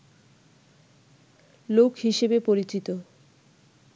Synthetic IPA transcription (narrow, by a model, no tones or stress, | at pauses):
lokɦiʃebepoɾit͡ɕit̪o